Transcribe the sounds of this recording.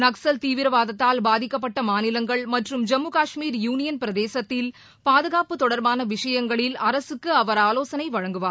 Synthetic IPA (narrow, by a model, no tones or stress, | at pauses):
nɐksɐlt̪iːʋɪɾɐʋaːðɐt̪ːaːlbaːðɪkːɐpːɐʈːɐmaːnɪlɐŋɡɐɭmɐʈrɯmd͡ʒɐmːuːkaːʂmiːɾjuːnɪjɐnpɪɾɐðeːsɐt̪ːɪl | paːðɯɣaːpɯt̪ɔɽɐɾbaːnɐʋɪʂɐjɐŋɡɐɭɪlɐɾɐsɯkːɯɐʋɐɾaːloːsɐnɐɪʋɐɻɐŋɡɯʋaːɾ